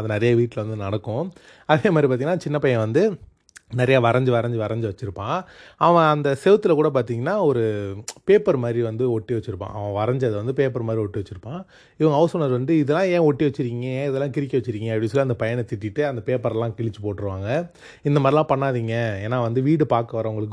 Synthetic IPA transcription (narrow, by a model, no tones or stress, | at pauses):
ɐðɐnɛɾɐjɐʋiːʈːlɐʋɐnd̪ɯnɐɽɐkːʊ̃ | ɐðeːmaːd̪ɾipaːɾt̪iŋnaːt͡ʃɪnːɐpɐjɛ̃ʋɐnd̪ɯ | nɛɾɐjaːʋɐɾɐɲd͡ʒɯʋɐɾɐɲd͡ʒɯʋɐɾɐɲd͡ʒɯʋɐt͡ʃːɪɾɯpːãːɐʋɐ̃ɐnd̪ɐsɛʋɯt̪ːɯlɐkuːɽɐp̬aːɾt̪iːŋɡɐnːaːɔɾɯpeːpɐɾmaːd̪ɾiʋɐnd̪ɯɔʈːiʋɐt͡ʃːɪɾɯpːã̰ːʔɐ̰ʋɐ̃ʋɐɾɐɲd͡ʒɐðɯʋɐnd̪ɯpeːpɐɾmaːd̪ɾiɔʈːiʋɐt͡ʃːɪɾɯpːãː | ɪʋɐ̃ŋɡɐːʊsɔnɐɾʋɐnd̪ɯɪðɛlːãːẽːɔʈːiʋɐt͡ʃːɯɾiːŋɡɐẽːɪðɛlːaːkɪɾɪk̬ːɐʋɐt͡ʃːɯɾiːŋɡɐɐpɽislːɐnd̪ɐpɐjɐɳɛt̪ɪʈːɪʈːɯɐnd̪ɐpeːpɐɾɛlːãːkɪɭɪt͡ʃːɯpoːʈːɪɾɯʋaːŋɡɐ | ɪnd̪ɐmaːdɾilãːpɐɳːaːðiːŋɡɐeːnːaːʋɐnd̪ɯʋiːɽɯpaːɾkɐʋɐɾɐʋʊŋɡɐɭɯkː